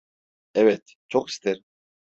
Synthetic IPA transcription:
ɛvet̪ | t͡ʃʰoqi̥st̪ʰeɾ

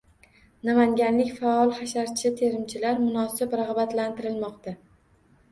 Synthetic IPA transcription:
namaŋɡʲanlɪkʲfaɒlˠχaʃaɾt͡ʃʰɪt̪ʰe̞ɾɪmt͡ʃʰɪlaɾmʊnɒsɪbɾaʁbat̪lant̪ʰɪɾɪlmɒqt̪a

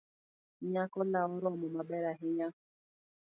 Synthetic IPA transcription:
ɲakɔlaɔɾɔmʊmabɛɾaɦɪɲa

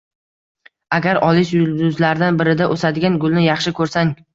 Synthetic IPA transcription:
aɡʲaɾɒlˠɪʃjʊld̪ʊzlaɾd̪anbɪɾɪd̪aʔɵsad̪ɪɡʲanɡʊlˠnɪjɑχʃɪkʰɵɾsaŋ

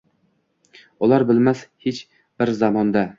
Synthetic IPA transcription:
ɒlaɾbɪlmashet͡ʃ | bɪɾzamɒnd̪a

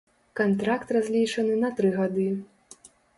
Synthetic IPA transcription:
kant̪ɾakt̪razʲlʲit͡ʂɐnɨnɐt̪ɾɨɣad̪ɨ

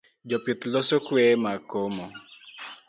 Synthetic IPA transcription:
d͡ʒɔpjʊt̪losokwɛmakomo

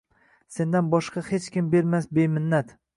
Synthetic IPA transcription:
se̞nd̪anbɒʃqɑhet͡ʃkʲɪmbe̞ɾmasbe̞jmɪnːat̪

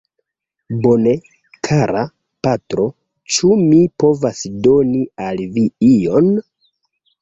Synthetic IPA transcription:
bo̞ne̞ | kʰaɾa | patɾo̞ | t͡ʃumipo̞vasdo̞nialviijo̞n

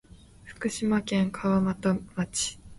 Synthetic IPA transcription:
ɸɯ̟̥kɯ̟ɕimakẽ̞ŋkʰaβamat̪omat͡ɕi̥

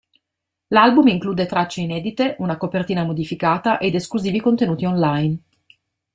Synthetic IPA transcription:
lalbumiŋkluːd̪et̪ɾat͡ʃːeinɛːd̪it̪eʔunakopert̪iːnamod̪ifikaːt̪aʔed̪eskluziːvikont̪enuːt̪iɔnlajn

